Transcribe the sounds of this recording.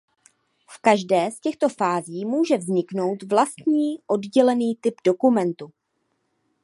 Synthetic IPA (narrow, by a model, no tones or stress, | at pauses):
fkaʒdɛːscɛxt̪o̞faːziːmuːʒɛvzɲɪkno̞wt̪vlast̪ɲiːʔo̞dɟɛlɛniːt̪ɪbdo̞kumɛnt̪u